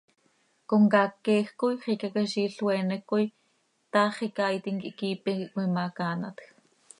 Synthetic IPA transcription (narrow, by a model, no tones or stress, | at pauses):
koŋkaːkːɛːxkojχikakaʃiːɬwɛːnɛkoj | t̪aːχikaːjt̪iŋkiʔkiːpɛkʔkijmaːkaːnat̪x